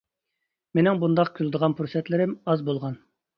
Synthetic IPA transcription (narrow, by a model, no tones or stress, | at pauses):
menɪŋbund̪ɑqkʲʰylˠd̪əʁɑnpʰuɾsɛt̪lɪɾɪmɑzbolˠʁɑn